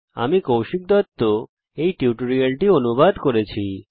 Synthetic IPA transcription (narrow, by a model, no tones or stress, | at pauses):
a̰mikowʃik̚d̪ɔt̪ːo | ejʈiuʈoɾielʈionubad̪koɾet͡ɕʰi